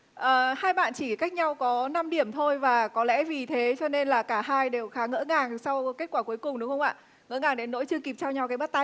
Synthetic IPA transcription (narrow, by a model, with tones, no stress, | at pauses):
ʔəː˩haː˧jɓa̰ː˧˨nt͡ɕi˧˩ka˦˥jk̟̚ɲa˧wkɔ˨˦na˧mɗi˧˩əmt̪ʰo˧jvaː˨˩kɔ˨˦lɛ̰˧˥vi˨˩t̪ʰe˨˦t͡ɕɔ˧ne˧nlaː˨˩kaː˧˩ɦaː˧jɗe˨˩wxaː˨˦ŋə̰˧˥ŋaː˨˩ŋsa˧wke˦˥t̚kwaː˧˩ku˨˦əjkʊ˨˩ŋ͡mɗʊ˨˦ŋ͡mxə˧ŋ͡mʔa̰ː˧˨ | ŋə̰˧˥ŋaː˨˩ŋɗe˨˦nːo̰˧˥jt͡ɕɨ˧əki˨˩p̚t͡ɕaː˧ɲa˧˩wkaː˨˦jɓa˦˥t̚t̪a˧